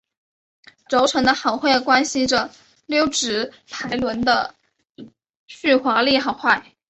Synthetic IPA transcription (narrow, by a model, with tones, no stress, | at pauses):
ʈ͡ʂo˧˥ʊʈ͡ʂʰɤ˧˥ŋd̪ə˧xɑ˨˩˦ʊxwe˥˩ɪkwa˥nɕi˧˥ʈ͡ʂə˨ | ljo˥ʊʈ͡ʂɻ̩˧˥p̪ʰa˧˥ɪlwə˧˥nd̪ə̰˧ | ɕy˥˩xwa˧˥li˥˧xɑ˥˩ʊxwa˥˩ɪ